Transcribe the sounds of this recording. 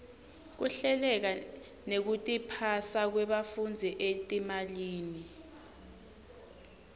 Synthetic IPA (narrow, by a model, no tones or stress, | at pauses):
k̬uɬɛlɛk̬a | nek̬utʼipʰasak̬wɛɓafund͡zʱiʔetʼimaliːni